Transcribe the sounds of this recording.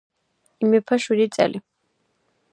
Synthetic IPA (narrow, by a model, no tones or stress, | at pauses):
imɛpʰaʃiɾit͡s̪ʼa̰li